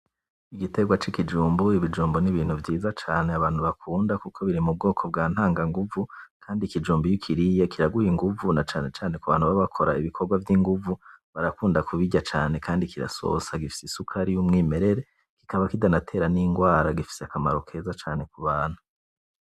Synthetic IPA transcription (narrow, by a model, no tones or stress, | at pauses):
iɡite̞ɡwat͡ʃikid͡ʒuːmbuiβid͡ʒuːmboniβiːn̥uvjiːzat͡ʃaːneaβaːn̥uβakʰuːndakukʰo̞βiɾimub̚ɡo̞ːkʰo̞b̚ɡaːn̥haːŋɡaŋɡuvukʰaːndikid͡ʒuːmbujikʰiɾijekiɾaɡujiŋɡuvunat͡ʃaːne̞t͡ʃaːne̞kuβaːn̥huβaβakʰo̞ɾaiβikʰo̞ɾɡwavjiŋɡuvuβaɾakuːndakuβiɟat͡ʃaːne̞kʰaːndikiɾa̰so̞̰saɡifi̥sisukʰaɾijumŋiːme̞ɾe̞ɾe̞ | ki̥kaβakidanatʰe̞ːɾaniŋɡwaːɾaɡifi̥seakamaɾo̞kʰe̞ːzat͡ʃaːne̞kuβaːn̥hu̥